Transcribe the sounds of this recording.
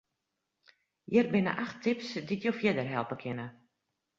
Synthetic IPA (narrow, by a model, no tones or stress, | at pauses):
jɪrbɪnə̰ʔaxtʰɪpsdikjofjɪdərɦɛlˠpəkʰɪnə